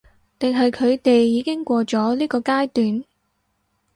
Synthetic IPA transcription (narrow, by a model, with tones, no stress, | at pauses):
t̪ɪ˨ŋɦɐ˨jkʰɵ˨˧ɥt̪e˨jːiː˨˧˥kɪ˥ŋkʷɔː˧t͡sɔː˨˥liː˥kɔː˧kaː˥jt̪yː˨n